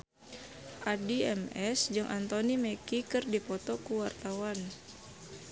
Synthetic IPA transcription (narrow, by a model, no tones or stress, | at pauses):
ʔadiɛmɛsd͡ʒɨŋʔant̪onimɛkikɨrdipɔt̪ɔkuwart̪awan